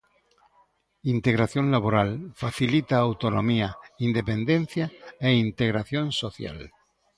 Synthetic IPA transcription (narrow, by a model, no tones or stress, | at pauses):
int̪eɣ̞ɾaθjonlaβ̞oɾalfaθilit̪aːwt̪onõmiaind̪epẽnd̪ẽn̟θjaeint̪eɣɾaθjõnsoθja̰l